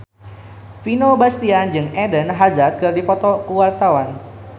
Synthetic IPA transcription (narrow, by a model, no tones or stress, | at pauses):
finobast̪iand͡ʒɨŋɛdənɦazat̪̚kərdipɔt̪ɔkuwart̪awan